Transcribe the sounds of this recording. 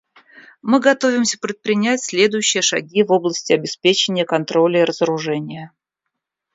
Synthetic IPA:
mɨɡɐt̪ovʲɪmsʲə̥pɾʲɪt̪̚pɾʲɪnʲætʲsʲlʲe̞d̪ʊjʉɕːɪjəʂɐ̰ɡʲivo̞blˠəsʲtʲɪɐbʲɪspʲet͡ɕɪnʲɪjəkɐnt̪ɾo̞lʲəiɾəzəɾʊʐɛnʲɪjə

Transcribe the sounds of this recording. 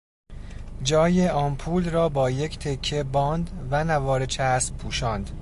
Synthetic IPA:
d͡ʒɒːjeʔɒːnpʰuːlrɒːbɒːje̞cʰt̪ʰe̞kʰːe̞bɒːnd̪vænævɒːɾet͡ʃʰæspʰuːʃɒːnd̪̥

